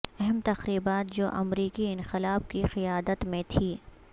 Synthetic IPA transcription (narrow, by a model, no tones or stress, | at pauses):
ɛɦɛmt̪ɐxɾiːbaːt̪̚d͡ʒo̰ːʔɐ̰mɾiːkiɪ̃nxɪlaːb̚kixɪjaːd̪ət̪mẽt̪ʰiː